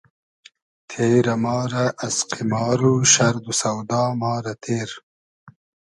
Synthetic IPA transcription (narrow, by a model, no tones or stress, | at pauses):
t̪ʰeːɾɐmɑːɾɐʔːsqimɑːɾuʃɐɾd̪usɐwd̪ɑːmɑːɾɐt̪ʰeːɾ